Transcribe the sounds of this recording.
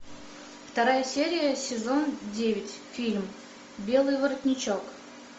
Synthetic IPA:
ft̪ɐɾajəsʲeɾʲɪjəsʲɪzo̞ndʲevʲɪtʲfʲilʲm | bʲe̞lˠɨjvəɾət̪ʲnʲɪt͡ɕo̞k

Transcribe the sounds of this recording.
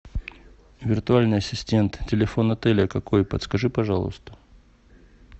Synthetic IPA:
vʲɪrt̪ʊalʲnɨjɐsʲɪsʲtʲe̞nt̪tʲːɪlʲɪfo̞nɐt̪ɛlʲɪəkɐko̞jpət̪skɐʐɨpɐʐɑlˠə̰st̪ə̥

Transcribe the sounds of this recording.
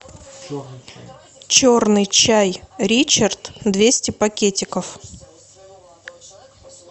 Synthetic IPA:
t͡ɕornɨjt͡ɕæjɾʲit͡ɕɪrt̪d̪vʲesʲtʲɪpɐkʲetʲɪkəf

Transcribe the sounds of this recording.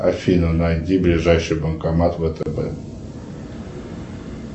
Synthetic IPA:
afʲinunajd̪ʲiblʲɪʐajʂɨjbəmkamat̪vət̪əbɛ̰

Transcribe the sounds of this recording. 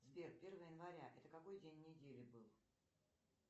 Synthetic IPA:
zvʲerpʲe̞rvəjəjɪnvɐɾʲaʔɛt̪əkɐko̞jdʲenʲːɪdʲelʲɪbɨlˠ

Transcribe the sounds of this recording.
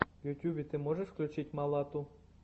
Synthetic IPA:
jutʲubʲit̪ɨmoʒeʃfklʲut͡ɕitʲmɑlˠɑt̪u

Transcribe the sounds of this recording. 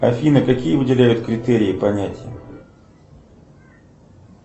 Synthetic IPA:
ɐfʲinəkɐkʲijəvɨdʲɪlʲæjʊt̪kɾʲɪt̪eɾʲɪɪpɐnʲætʲɪjə

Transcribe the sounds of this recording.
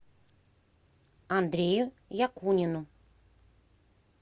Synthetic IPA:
and̪ɾʲejʊ | jakunʲɪnʊ

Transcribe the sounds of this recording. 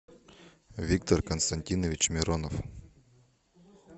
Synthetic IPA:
vʲik̚t̪ɔrkɐnst̪ɐnʲtʲinəvʲɪt͡ɕmʲɪɾonɔf

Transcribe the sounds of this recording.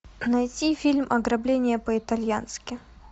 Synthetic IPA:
nɐjtʲifʲilʲmʔɐɡɾɐblʲenʲɪjəpəɪt̪ɐlʲjanskʲɪ

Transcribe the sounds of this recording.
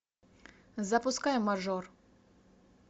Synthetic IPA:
zapʊskajɛmːaʐɔr

